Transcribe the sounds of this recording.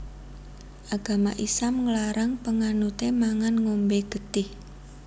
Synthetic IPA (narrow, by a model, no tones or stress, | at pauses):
ʔaɡ̥a̤maʔisamŋəlaɾaŋpəŋanut̪emaŋanŋombeɡ̥ə̤t̪ɪh